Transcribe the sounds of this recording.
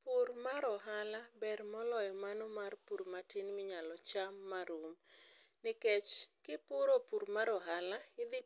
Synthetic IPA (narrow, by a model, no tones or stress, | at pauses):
purmaɾɔɦalabɛrmɔlɔjɔmanɔmarpuɾmatɪnmɪɲalɔt͡ʃamːaɾum | nɪkɛt͡ʃkɪpʊɾopuɾmaɾɔɦalaɪd̪ɪ